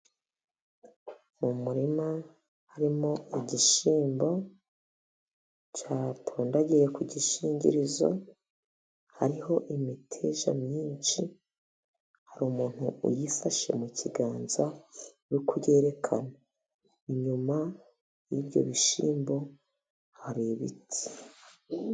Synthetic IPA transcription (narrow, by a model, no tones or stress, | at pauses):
mumuɾima | haɾimo̞iɟiʃiːmbo̞ | t͡ʃaːtʰuːndaɟije̞kʰuɟiʃiːɲɟḭɾizo̞̰ | haɾiho̞ʔimitʰeʒa̰mɲiːnt͡ʃi | haɾuːmuːn̥huṵjifaʃe̞̰mucʰiɡaːnza | wukʰuje̞ːɾekʰana | iɲuma | jibjo̞̰βiʃiːmbo̞ | haɾiβitʰi̥